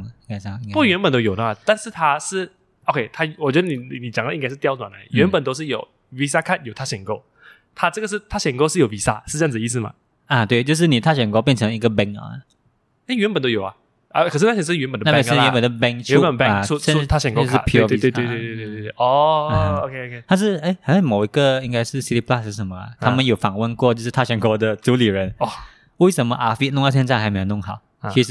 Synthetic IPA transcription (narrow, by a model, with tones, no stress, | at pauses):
i˥ŋka˥˧ɪ˥˧pu˥˩ɥɛ˧˥npə˨˩nt̪o˥jo˨˩d̪ə˩ma˨˩t̪a˥˧nʂɻ̩˥˧˩t̪ʰa˥ʂɻ̩˥˩ | o˥˧kʰe˥˧ɪt̪ʰa˥wɔ˨˩t͡ɕɥɛ˧˦d̪ə˧ni˨˩i˨ni˨˩t͡ɕjŋə˦i˥ŋka˧ɪʂɻ̩˥˧jʊt͡swa˨˩nə˧˦jɥɛ˧˦npə˨˩nt̪o˥ʊʂɻ̩˥˩jo˨˩ʊ | wi˧˥s̬a˥˧kʰa˥˩njo˨˩ʊt̪ʰa˥ɕjɛ˨˩ŋko˥˧ʊ | t̪ʰa˥ʈ͡ʂɤ˥˩ɡə˩ʂ̬̩˥˩t̪ʰa˥ɕɛ˨˩nko˥˧ʊʂɻ̩˥˩jo˨˩ʊwi˧˥sa̰˥˧ʂ̩˥˧ɤ˥˧˥ŋd͡z̩˨˩ə˧i˥˧˩s̬ɹ̩˨˩ma̰˨˩ | ə˨t̪we˥˧ɪt͡ɕjo˥˧ʊʂ̬ɻ̩˥˩ni˨˩t̪ʰa˥˩ɕɥɛ˨˩nko˥˧ʊpjɛ˥˨˩nʈ͡ʂʰə˧˦ŋi˧˥ɡə˨bɛ˥ŋə̰˩ | e˥˩ɪɥɛ˧˥npə˨˩nt̪o˥ʊjo˨˩ʊa˨˩ | ə˥˩kʰʂ̬ɻ̩ʰ˥˩˥jɛ˧˩˥ʂ̩˥˧ɥɛ˧˥npə˨˩d̪əna˥˩jɛ˧˦˥pə˨˩nd̪ə˧˩bɛ˥ŋʰɛ˧u˥˧ə˨˩˥u˥˧ʂ̩˥t̪ʰa˥˩ɕɛ˨˩ŋkɔ˥ʂɻ̩˥˧pʰju˥˧˥we˥˧t̪we˥˧t̪we˧e˥˧˥e˥˩e˥˧˩ɔ˥˩ə˩o˧kʰe˥˧kʰt̪ʰa˥ʂ̬ɻ̩˥˩e˥˩ɪxa˧˥ɪʂa˥˩mo˨˩ʊi˧˦˥ɡə˧i˥ŋka˥ɪʂɻ̩˥˩si˥t̪i˧˥pʰla˥˩ʂ̩˥˩ʂ̬ə˧˥mə˧ɐ̰˩t̪ʰa˥mə˨njo˨˩ʊfɑ˨˩ŋwə˥nkwɔ˥˧t͡ɕjʊʂɻ̩˥˧t̪ʰa˥˧˩ɕɥɛ˧˥nkwɔ˧˥d̪ə˨ʈ͡ʂu˧˥li˨˩ɻə˧˦nɔ˥˩ | we˥˩ɪʂə˧˥nmə˧ʔa˥fi˥lʊ˥˧ŋ˥˧˩ɕ̬ʰjɛ˥nt͡sa˥˩xme˧˥˧o˧˥nʊ˥˩ŋxɑ˨˩˦ʊ | t͡ɕʰi˧˥ʂ̩˥˩